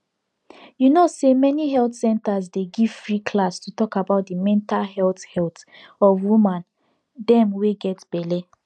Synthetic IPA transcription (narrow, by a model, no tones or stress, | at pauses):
junosemɛniɦɛltsɛ̃ntazdeɡiv̥fɹikʰlastutɔkabaʊt̚dimɛ̃ntalɦɛlthɛlt | ɔvwumãn | dɛ̃mweɡɛtb̥ɛle